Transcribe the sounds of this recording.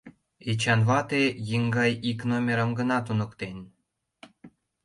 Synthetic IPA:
et͡ɕɑnβɑt̪ejiŋɡɑjiknomʲeɾə̆mɡə̆nɑt̪unɤ̆kt̪enʲ

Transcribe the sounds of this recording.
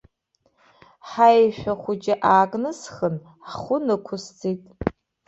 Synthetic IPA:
ħajʃʷᶣaχʷʊd͡ʒʼɪʔaːkʼnɨsχən | χʷʊnɨkʷʰʊst͡sitʼ

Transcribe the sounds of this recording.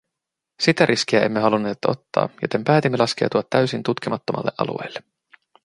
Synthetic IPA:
sit̪æɾʔisk̟iæe̞mːe̞ɦɑlunːe̞ːt̪o̞t̪ːɑ̰ːjot̪e̞mpæːt̪imːelɑsk̟e̞̰wt̪uɑt̪ːæyɥsint̪ut̪k̟imɑt̪ːomɑ̰lːeʔɑ̰lṵejlːe

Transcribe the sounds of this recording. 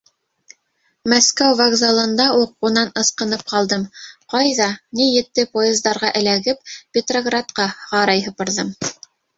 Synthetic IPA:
mæskæwvɐɡzɑlˠɤ̆nd̪ɑuqːunɑnɤ̆sqɤ̆nɤp̚qɑlˠd̪ɤmqɑjðɑnijɘ̆t̪ːɘpojezd̪ɑɾʁɑʔɘ̆læɡɘp̚pʲɪt̪roɡrat̪qɑʁɑɾɑjɦɤ̆pɤ̆ɾðɤm

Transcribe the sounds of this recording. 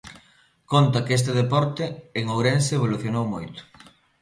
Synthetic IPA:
kont̪ɐkest̪eðepɔɾt̪eːŋowɾenseːβ̞oluθjonowmojt̪ʊ̥

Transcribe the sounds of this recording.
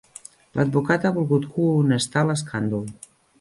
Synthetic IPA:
lʔəd̪̚bukat̪aβulˠɣut̪kunəst̪aləskʰand̪ul

